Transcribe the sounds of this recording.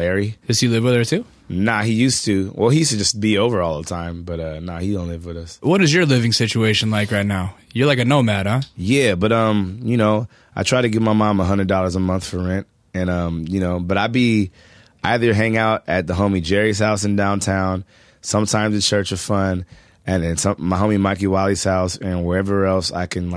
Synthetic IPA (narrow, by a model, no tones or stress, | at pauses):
lɛɹid̥ɨzɨlɪvwɪðə˞tʰʉ | naʊhijʉstɨwʔɛlˠhijʉstɨd͡ʒʌsb̥ioʊvə˞ɔlˠðətʰãɪ̃mb̥ʌɾʌnaʊhidõʊ̃nlɪvwɨðʌswʌɾɨzjə˞lɪvɪ̃ŋsɪt͡ʃueɪʃɨ̃n̩laɪkɹaɪtⁿnaʊjə˞laɪkɨnoʊmæɾʌjæbʌɾʌ̃mjɨnoʊ | ʔaɪtʰɹ̥aɪɾɨɡɪvmaɪmɑ̃məɦʌ̃ndɹɨdɔlˠə˞zəmʌ̃nθfə˞ɹɛ̃nt̚ | ɨ̃nʌ̃mjɨnoʊbʌɾaɪbi | ʔaɪðə˞ɦæ̃ŋaʊɾɨt̪̚ðəɦõʊ̃mid͡ʒɛɹiz̥haʊsɨ̃ndãʊ̃ntʰãʊ̃n | sʌ̃mtʰãɪ̃mzðɨt͡ʃʰɜ˞t͡ʃʌz̥fʌ̃n | ɨ̃nɨ̃nsʌ̃maɪɦõʊ̃mimaɪk̬iwɑlˠiz̥haʊsɨ̃nwə˞ɛvə˞ɛlˠsa̰ɪkʰɨ̃nl